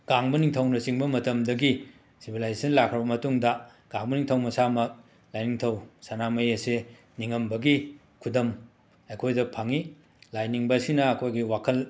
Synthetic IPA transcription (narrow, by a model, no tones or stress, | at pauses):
ɡ̥aŋbɐniŋtʰɐwnɐsiŋbɐmɐtɐmdɐɡi | sibʱilajzsɐnlakʰɾɐbɐmɐtuŋdɐ | ɡ̥aŋbɐniŋtʰɐwmɐsamɐk̚ | lajniŋtʰɐwsanamɐjɐse | niŋɐmbɐɡi | kʰudɐm | ɐjkʰojdɐpʰaŋi | lajniŋbɐsinɐːkʰojɡiwakʰɐl